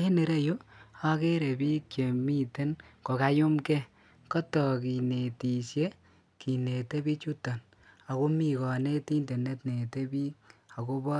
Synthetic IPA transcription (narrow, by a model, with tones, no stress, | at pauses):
he˦ne˨ɾe˦jo˦a˦ke˦ɾe˨biː˦kt͡ʃe˨mi˦te˦nko˨ka˨jʊ˦mkɛ˦ | kɔ˦tɔ˨ki˨ne˨ti˨sje˦ | ki˨ne˨te˦bi˦t͡ʃu˦ta˨n | a˨ko˦mi˨kɔ˨ne˦ti˦nde˨ne˦tne˨te˦bi˦ka˨ko˦bɔ˦